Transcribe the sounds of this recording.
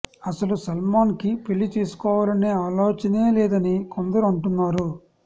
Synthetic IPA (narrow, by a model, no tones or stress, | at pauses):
ɐsɐlusɐlmaːnkipilːit̪iːsu̥kɔːʋaːlɐneːaːloːt͡ʃɐneːlɛːd̪ɐnikond̪ɐɾuɐɳʈunːaːɾu